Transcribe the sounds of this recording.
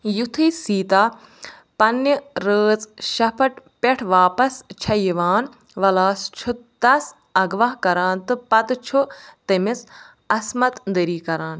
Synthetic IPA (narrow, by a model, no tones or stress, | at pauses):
jut̪ʰɨːsiːt̪aː | pɐnjɐɾəːt͡sʃɐpʰɐʈpʲeʈʰʋaːpɐst͡ʃʰɐjiʋaːn | ʋɐlaːst͡ʃʰud̪ɐs | ɐɡʋɐɦkɐɾaːnt̪ɨpɐt̪t͡ʃʰut̪emis | ɐsmɐt̪d̪əɾiːkɐɾaːn